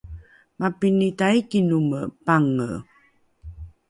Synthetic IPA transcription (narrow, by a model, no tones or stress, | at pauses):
mapinitaikinuməpaŋə̰